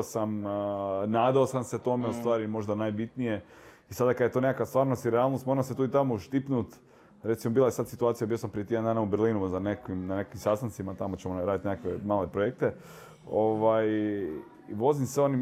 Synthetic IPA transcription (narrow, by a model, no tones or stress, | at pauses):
osam | naːd̪aosamset̪o̞meust̪ʋaːɾimo̞ʒd̪anaːjbit̪nije̞ | isad̪akad̪jet̪onekakast̪ʋaːɾnost̪iɾealˠnost̪mo̞ɾaset̪uːit̪amoʃt̪ipnut̪ | ɾe̞t̪simobilajesad̪sit̪uaːt̪sijabiosampɾijet̪jed̪nd̪aːnaubeɾliːnuzanekkʋimnanekakːimsast̪ant̪simat̪amo̞t͡ɕemoɾaːd̪it̪nekakʋemaːlepɾojek̚t̪e | oʋaj | iʋo̞zimsʋeoni